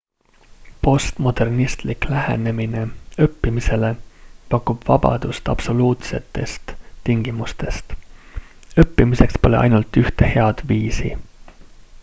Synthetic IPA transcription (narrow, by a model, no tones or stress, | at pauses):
po̞st̪mo̞d̪̥e̞rnist̪liklæhe̞̰ne̞mine̞ɤpːimise̞le̞pɑkːˑub̥vɑ̰b̥ɑ̰d̪̥ust̪ɑ̰b̥so̞luːt̪se̞t̪ːˑe̞st̪ːiŋɡ̥imust̪e̞st̪ | ɤpːimise̞kspo̞leʔɑ̰jnult̪ːˑyht̪e̞he̞ɑd̪̥viːsi